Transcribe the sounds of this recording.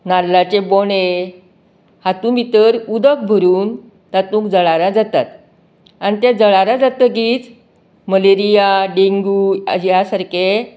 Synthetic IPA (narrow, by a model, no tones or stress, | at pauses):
nalːat͡ɕeboɳe | hat̪ũmit̪əɾud̪ək̚bʱəɾuːn | t̪at̪ũkd͡zəɭaɾad͡zat̪at̪ | anit̪ɛd͡zəɭaɾad͡zat̪əɡiːt͡s | məleɾijaɖeŋɡuːa̰d͡ʑijasaɾke